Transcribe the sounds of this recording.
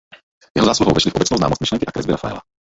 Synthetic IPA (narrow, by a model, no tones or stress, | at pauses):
jɛɦozaːsluɦo̰wvɛʃlifʔobɛt͡snowznaːmost̪miʃlɛŋkɪʔakɾɛ̰zbɪɾafaɛ̰la̰